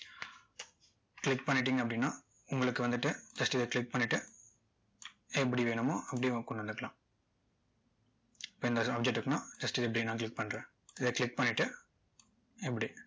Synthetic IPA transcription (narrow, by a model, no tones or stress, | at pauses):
klɪk̚pɐɳːɪʈ̬ːiːŋɡɐpːɐɽɪnːãː | ʊŋɡɐɭɯkːɯʋɐnd̪ɯʈːɯd͡ʒɐsʈɪðɐkɭɪk̚pɐɳːɪʈːɯ | ɛpːɐɽiʋeːɳɯmoːʔɐpːɐɽikɔɳɖɐnd̪ɯkːɐɭã̰ː | ɪpːoːɪnd̪ɐaːp̚d͡ʒɛʈːɯkːɯnãːd͡ʒɐsʈɪðɛp̬ːɐɽinːãːk̬lɪk̚pɐɳːɾẽː | ɪðɐkɭɪk̚pɐɳːɪʈːɯ | ɛpːɐɽi